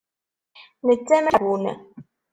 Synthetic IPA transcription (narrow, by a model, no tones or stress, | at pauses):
nət͡sːæmæwun